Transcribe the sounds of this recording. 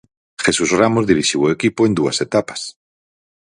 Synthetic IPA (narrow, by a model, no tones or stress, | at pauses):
xesusramozðiɾiʃiwoekipoẽnd̪ua̰set̪apḁs